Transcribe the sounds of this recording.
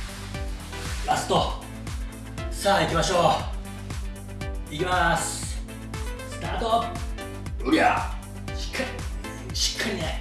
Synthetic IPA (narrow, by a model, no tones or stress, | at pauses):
ɾasɨ̥t̪o | saːikʲimaɕo̞ː | ikʲimas | sɨ̥t̪aːt̪op | uɾʲia̰ | ɕi̥kːa | ɕi̥kʰːaɾʲine